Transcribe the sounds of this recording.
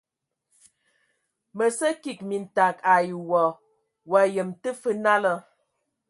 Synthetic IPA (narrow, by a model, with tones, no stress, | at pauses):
mə˨sə˦ki˨k̚mi˨n̩˨ta˨ka˨jwɔ˨ | wa˨jə˨mtə˦fə˦na˦lə˦